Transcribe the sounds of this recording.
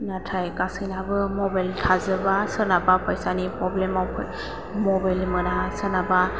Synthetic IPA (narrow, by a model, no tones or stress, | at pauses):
natʰajkasɯjnabɯmɔbajltʰazɯbasɯnabapʰɔjsanipɾɔblemawpʰ | mɔbajlmɯnasɯnaba